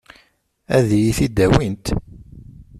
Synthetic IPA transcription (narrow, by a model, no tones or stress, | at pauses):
æðjiθid̪ːæwint̪